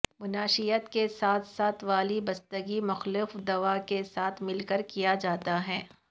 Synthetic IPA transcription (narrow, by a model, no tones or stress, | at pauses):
mʊnaːʃijət̪kesaːt̪ʰsaːt̪ʰʋaːlibɐst̪əɡimʊxlɪfd̪ɐʋakesaːt̪ʰmɪlkəɾkijad͡ʒaːt̪aɦɛː